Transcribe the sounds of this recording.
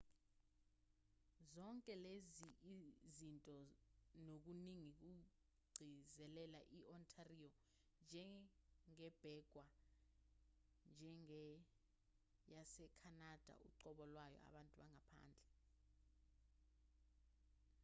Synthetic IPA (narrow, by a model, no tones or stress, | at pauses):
zɔŋkʼɛlez | zintʼɔnok̬uniŋik̬u | ɡ͡ǀʱizɛlɛlaʔiʔɔntʰariɔ | nd͡ʒʱɛŋɛb̥ʱɛɡ̥ʱwa | nd͡ʒʱɛŋɛ | jasɛkʰanad̥ʱa̰ṵǀɔɓɔlwajɔ̰a̰ɓantʼuɓaŋapʰa̰ːnd͡ɮʱɛ